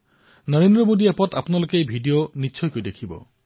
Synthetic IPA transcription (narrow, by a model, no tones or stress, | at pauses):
nɔɾend̪ɾɔmod̪iepɔt̪apɔnalokejbʱiɖioniːʃʰɔjkojd̪ekʰibɔ̰